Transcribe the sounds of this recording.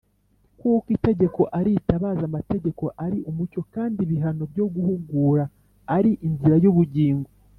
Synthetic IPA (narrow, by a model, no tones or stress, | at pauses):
kukite̞ɟe̞ko̞ʔaɾitaβaːzamate̞ɟe̞ko̞ʔaɾiʔumuco̞kaːndiβiɦano̞bjo̞ɡuhuŋɡuɾaː | ɾiʔinziɾajuβuɟiːŋɡo